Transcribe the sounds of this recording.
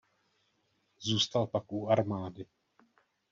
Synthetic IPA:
zuːst̪alpakʔuaɾmaːdɪ

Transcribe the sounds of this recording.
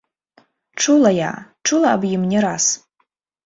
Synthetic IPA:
ʈ͡ʂʰulaja̰ʈ͡ʂʰulaːbjɪmnʲɪɾas

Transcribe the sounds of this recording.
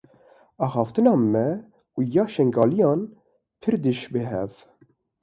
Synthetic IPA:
ɑːxɑːft̪ɨnɑːmɛ | ujɑːʃɛŋɡɑːlijɑːn | pʰɨɾd̪ɨʃbɨɦɛ̰v

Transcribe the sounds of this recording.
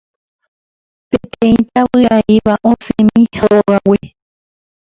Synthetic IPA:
pẽt̪ẽĩt̪aβɨaiβaʔõsẽmĩhoɣawi

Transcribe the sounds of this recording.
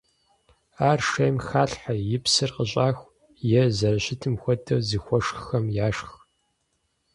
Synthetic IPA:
aːrʂeːmxaːɬħajɪpsɨrqəɕʼaːxʷ | jɛzɐɾɐɕɪtʰɨmxʷɔtʰɐzixʷɔʂxɐmjaːʂx

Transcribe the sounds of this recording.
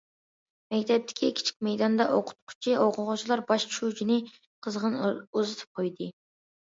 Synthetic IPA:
mɛkʲt̪ʰɛp̚t̪ʰɪ̥kʲʰikʲʰi̥t͡ʃʰi̥kʲmɛjd̪ɑnd̪ɑʔoqʰʊ̥t̪̚qʰʊ̥t͡ʃʰiʔoqʰʊʁʊt͡ʃʰilˠɑɾbɑʃt͡ʃʰut͡ʃʰinɨ | qʰəzʁənuzɨt̪ʰɨ̥p̚qʰojd̪ɨ

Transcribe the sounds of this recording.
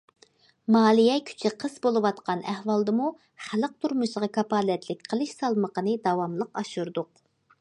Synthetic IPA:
mɑːlˠijɛkʲʰy̥t͡ʃʰɪqʰəzbolˠɨwɑt̪qɑnæhwɑlˠd̪ɨmu | χæləq̚t̪ʰuɾmuʃəʁɑkʰɑpɑːlɛt̪lɪk̚ʲqʰəlˠɨʃsɑlˠməqənɨd̪ɑwɑmlˠəqɑʃuɾd̪ʊq

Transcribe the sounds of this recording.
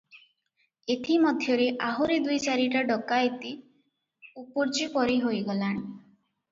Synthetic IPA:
et̪ʰimɔd̪ʱjɔɾeʔaɦuɾid̪ujt͡ʃaɾiʈaɖɔkajt̪i | upuɾt͡ʃipɔɾiɦojɡɔlaɽ̃i

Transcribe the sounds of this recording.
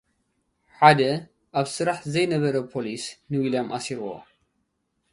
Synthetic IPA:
ħad̪ɐ | ʔaβsɨɾaħzɐjnɐβɐɾɐpʰolisnɨwiljamʔasiɾwo̰

